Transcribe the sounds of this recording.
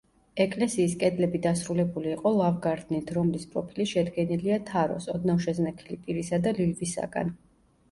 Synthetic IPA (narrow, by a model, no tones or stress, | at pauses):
ɛkʼlɛsiːskʼɛd̪lɛbid̪asɾulɛbuliːqʼɔlˠavɡaɾd̪nit̪ʰɾɔmlispʼɾɔpʰiliʃɛd̪ɡɛniliat̪ʰaɾɔ̰sɔd̪nafʃɛznɛkʰilipʼiɾisad̪alilvisa̰ɡa̰n